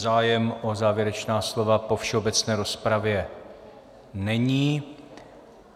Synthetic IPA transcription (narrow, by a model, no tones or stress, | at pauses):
zaːjɛmʔo̞zaːvjɛɾɛt͡ʃnaːslo̞vapo̞fʃɛo̞bɛt͡snɛːɾo̞spɾavjɛ | nɛɲiː